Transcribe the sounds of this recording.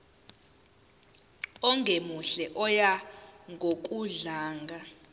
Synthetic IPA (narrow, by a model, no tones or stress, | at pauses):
ɔŋʱemuɬɛʔɔjaŋɡʱok̬ʼuɮaːŋɡʱa